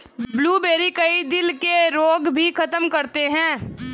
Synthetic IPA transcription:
bluːbeːɾikɐid̪ɪlkeɾoːɡbʱikʰɐt̪əmkɐɾt̪eɦɛ̃ː

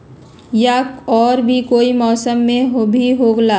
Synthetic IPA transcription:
jaɔːɾbʱikoːimɔːsəmːẽɦobʱiɦoɡlaː

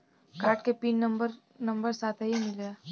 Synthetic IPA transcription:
kaːɾʈ̚kepiːnːɐmbəɾ | nɐ̃mbəɾsaːt̪ʰɦəɦimɪla

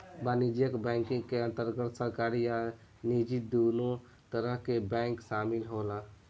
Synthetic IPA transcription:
banid͡ʒjəkbɛŋkĩŋkeə̃nt̪əɾɡət̪səɾkaɾija | nid͡ʒid̪ono | t̪əɾəɦkebɛ̃ŋksamilɦola

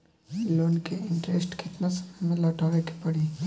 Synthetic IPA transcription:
loːnkeɪɳʈɾeːsʈket̪nasɐ̥mmẽlɔːʈaːʋeke̥pɐɽi

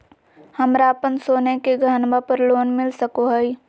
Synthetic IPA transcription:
həmɾapənsoːnekeɡʱənbapəɾloːnmɪlsəkoɦəi

